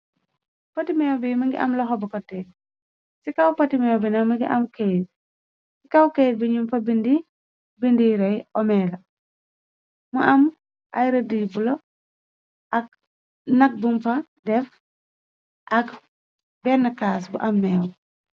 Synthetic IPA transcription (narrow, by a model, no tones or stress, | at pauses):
pɐtimɛwbimɐŋɡḭʔɐ̰mlɐxɔbɔkɔtːɛ | sikɐwpɐtimɛwbinɐmɐɡḭʔɐmkejt̚ | sikɐwkejd̚biɲumfɐbindi | bindiɾɐjɔmɛːlɐ | mɐʔɐm | ʔɐ̰jɾɐdijbulɔ | ʔɐk̚ | nɐk̚bumfɐ | dɛf | ʔɐk | bɛnɐkaːsbuʔɐmːɛːw